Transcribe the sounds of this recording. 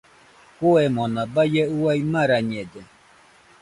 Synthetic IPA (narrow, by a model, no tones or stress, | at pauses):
koɛmɔnabajɛuwaimãɾaɲɛd͡ʒɛ